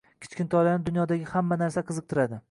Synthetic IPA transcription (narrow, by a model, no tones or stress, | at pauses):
kʲʰɪ̥t͡ʃkʲɪnt̪ʰɒlaɾnɪd̪ʊnjɒd̪aɡʲɪhamːanaɾsaqʰɨzɨq̚t̪ʰɪɾad̪ɪ